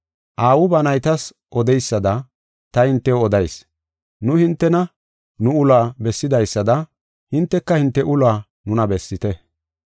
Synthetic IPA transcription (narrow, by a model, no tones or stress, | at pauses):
ʔaːwʊbɐnɐjt̪ɐs | ʔɔd̪ɛjsːɐd̪ɐ | t̪ɐhɪnt̪ːɛwɔd̪ɐjs | nʊhɪnt̪ːɛnɐ | nʊʊlaːbɛsːɪd̪ɐjsːɐd̪ɐ | hɪnt̪ːɛkːɐhɪnt̪ːɛʔʊlaː | nʊnɐbɛsːɪt̪ɛ